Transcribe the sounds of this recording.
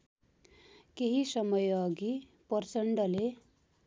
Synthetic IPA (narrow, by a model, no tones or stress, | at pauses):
keɦisʌmʌjʌɡipʌrt͡sʌɳɖʌle